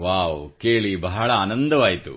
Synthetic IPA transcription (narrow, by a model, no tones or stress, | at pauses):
ʋaːwkeːɭibɐɦɐɭɐaːnɐnd̪ɐʋaːjit̪ṵ